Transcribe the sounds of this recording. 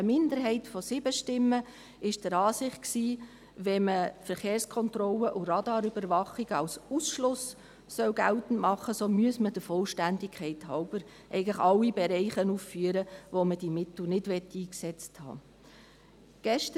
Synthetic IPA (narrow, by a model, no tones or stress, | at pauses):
əmɪndəɾɦɛɪtfɔsɪbəʃtɪmːə | ɪʃd̥əɾɑːsɪχtksiː | ʋɛməfəɾχeːɾskʰɔntɾɔlːəʔʊɾɑdɑːɾʏbəɾvɑχiɡ̥əɑwsusʃlʊs | sœwɡæltən̩tmɑχːəsoːmyəsməd̥əfɔlʃtændɪkʰχɛɪthɑʊbəɾ | ʔɛ̰ɪɡən̩ləχɑlːibɛɾɛɪχənuːffyəɾəʋoməd̥imɪtl̩nɪdʋɛtːiːksɛt͡sthɑ̰ː | ɡ̥ɛʃtə